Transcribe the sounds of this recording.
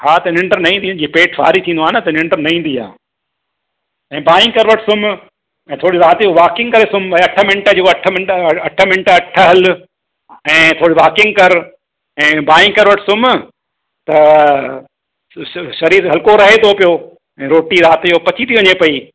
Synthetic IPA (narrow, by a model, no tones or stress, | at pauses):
haːt̪ɐnɪ̃ɳɖəɾnɐĩːnd̪id͡ʑiːpeːʈʰfa̰ːɾit̪ʰĩːnd̪oaːnɐt̪ɐɪnɪ̃ɳɖəɾnɐɦĩːnd̪ia̰ː | ɛ̃ːbaːɪ̃kɐɾʋəʈsʊm | ɛ̃ːt̪ʰoːɽiɾaːt̪joʋaːkɪ̃ŋɡkɐɾesʊmɐʈʰə̆mɪ̃ɳʈə̆d͡ʑoːɐʈʰə̆mɪ̃ɳʈɐʈʰə̆mɪ̃ɳʈəɐʈʰə̆ɦɐl | ɛ̃ːt̪ʰoːɽiʋaːkɪ̃ŋɡkɐɾ | ɛ̃ːbaːĩkɐɾʋəʈsʊm | t̪ɐ | ʃɐɾiːɾɦɐlkoɾɐɦet̪ʰopijo | ɛ̃ːɾoːʈiɾaːt̪jopɐt͡ɕʰit̪ʰiʋɐɲepɐiː